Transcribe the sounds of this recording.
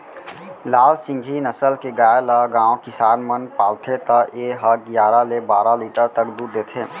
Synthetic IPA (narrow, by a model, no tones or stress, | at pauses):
laːlsɪ̃ŋɡʱinəsəlkeɡaːjləɡãːõkɪsaːnmənpaːlt̪ʰet̪əeɦəɡjaːɾalebaːɾaliːʈəɾt̪əkd̪uːɾd̪eːt̪ʰẽː